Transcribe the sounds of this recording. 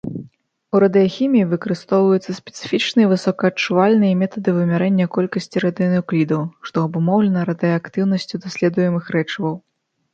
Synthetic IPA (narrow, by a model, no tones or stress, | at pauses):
uɾɐd̪ɨjɐxʲimʲijːvɨkɐɾɨst̪ɔwvɐjut̪sːɐsʲpʲɛ̥t̪sɨ̥fʲit͡ʂnɨjɐvɨsɔkɐɐt͡ʂuvalʲnɨjɐmʲɛt̪ɐd̪ɨvɨmʲaɾɛnʲːɐkɔlʲkɐsʲt͡sʲiɾɐd̪ɨjɐnɨɔklʲid̪ɐwʂt̪ɔɐbumɔwlʲɛnɐɾɐd̪ɨjɐkt̪ɨwn̪ɐsʲt͡sʲud̪asʲlʲɛd̪ujɛmɨxɾɛt͡ʂɐvɐw